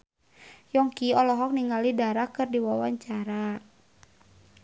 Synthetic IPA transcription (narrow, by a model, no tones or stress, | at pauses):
jɔŋkiɔlɔɦɔk̚niŋɡalidaɾakɨrdiwawaɲt͡ʃaɾa